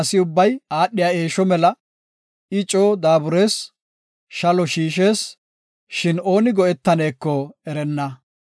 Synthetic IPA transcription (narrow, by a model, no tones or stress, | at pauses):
ɐsɪʊbːɐjaːɗːɪjaːe̞ːʃɔmɛlɐ | ɪt͡ʃʼoːd̪aːbʊɾe̞ːs | ʃɐlɔʃiːʃ̬e̞ːs | ʃɪno̞ːnɪɡɔɛt̪ːɐne̞ːkːɔɛɾɛnːɐ